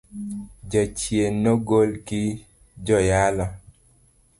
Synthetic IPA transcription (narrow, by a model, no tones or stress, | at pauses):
d͡ʒat͡ʃjenːoɡolki | d͡ʒɔjalɔ